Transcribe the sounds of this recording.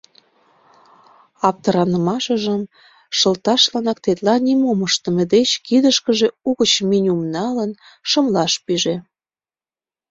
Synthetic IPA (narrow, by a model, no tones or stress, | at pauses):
ɑp̚t̪əɾɑnə̆mɑʃəʒəm | ʃə̆lt̪ɑʃlɑnɑk̚t̪et̪lɑnʲimoməʃt̪ə̆med̪et͡ɕkid̪əʃkəʒeuɣət͡ɕminʲumnɑlən | ʃəmlɑʃpiʒe